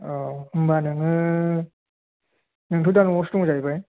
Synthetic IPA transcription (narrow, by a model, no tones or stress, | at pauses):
ɔɯmbanɯŋɯ | nɯŋtʰudanɯŋɔstuŋzajbaj